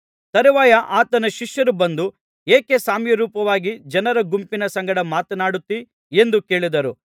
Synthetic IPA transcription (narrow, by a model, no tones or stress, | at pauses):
t̪ɐɾiʋaːjɐʔaːt̪ɐnɐʃiʃjɐɾubɐnd̪u | eːkesaːmjɐɾuːpɐʋaːɡid͡ʒɐnɐɾɐɡumpinɐsɐŋɡɐɽɐmaːt̪ɐnaːɽut̪ːi | e̞nd̪uke̞ːɭid̪ɐɾu